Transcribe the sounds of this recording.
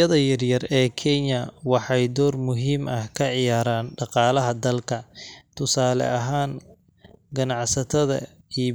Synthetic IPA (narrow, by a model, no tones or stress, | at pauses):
ɐðɐjɐrjɐrɛːkʰɛnjɐwɑħɑjd̪ɔːrmʊɦiːmɐhkʰɐʕɪjaːɾaːnɖɑqɑːlɐɦɐd̪ɐlkʰɐt̪ʰʊsaːlɛ̰ʔɐɦaːŋ | ɡɐnɑʕsɐt̪ʰɐðɐ̰ | i